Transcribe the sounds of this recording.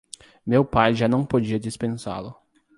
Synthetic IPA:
mewpajʒanɐ̃w̃pod͡ʒiɐd͡ʒispẽsa̰lʊ

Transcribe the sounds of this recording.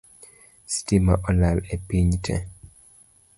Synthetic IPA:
stimaʔɔlalɛpiɲtʰɛ̰

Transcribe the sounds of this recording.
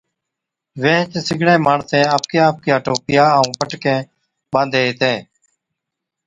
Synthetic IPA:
ʋẽːt͡ʃsɪɡʱɳẽːmaːɳsẽːaːp̚kjãːp̚kjaːʈoːpɪjaːəũːpəʈkẽː | ɓãːnd̪ʱeːt̪ẽː

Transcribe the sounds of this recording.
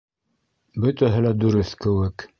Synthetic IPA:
bɵ̆t̪æɦɘlæd̪ʉɾɵθkɘ̆wɘk

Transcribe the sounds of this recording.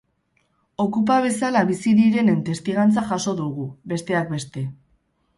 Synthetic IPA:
o̞kup̬aβ̞e̞salaβisiðiɾe̞nent̪e̞st̪iɣ̞ant͡saʝaso̞ðuɣube̞st̪e̞ak̚be̞st̪e̞

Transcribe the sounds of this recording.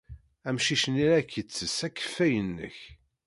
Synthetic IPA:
æmʃiʃəniɾækːət͡sːəsækːə̥fːæjənːə̰ç

